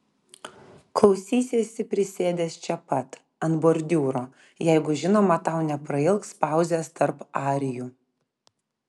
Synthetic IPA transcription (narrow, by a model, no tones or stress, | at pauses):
klˠɒʊsʲiːsʲeːsʲɪpʲɾʲɪsʲeːd̪ʲeːst͡ʃʲɛpɐt̪ | ɐnboɾʲd̪ʲuːɾoː | jɛɪɡʊʒʲɪnoːmɐt̪ɑˑʊnʲɛpɾɐɪlˠkspɑˑʊzʲeːst̪ɐɾpɑːɾʲɪjuː